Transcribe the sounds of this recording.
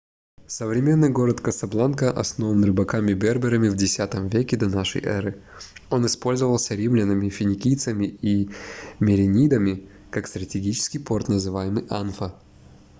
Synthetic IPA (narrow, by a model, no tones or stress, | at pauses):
səvɾʲɪmʲe̞nːɨjɡo̞ɾət̪kəsɐblˠankəʔɐ̰sno̞vənrɨbɐkamʲɪbʲerbʲɪɾəmʲɪvdʲɪsʲat̪əmvʲekʲɪd̪ɐnaʂə̰jʔɛ̰ɾɨ | o̞nɨspo̞lʲzəvəlˠsʲəɾʲimlʲɪnəmʲɪfʲɪnʲɪkʲijt̪səmʲɪimʲɪɾʲɪnʲid̪əmʲɪ | kakst̪ɾətʲɪɡʲit͡ɕɪ̥skʲɪjpo̞rt̪nəzɨvajɪmɨjʔanfə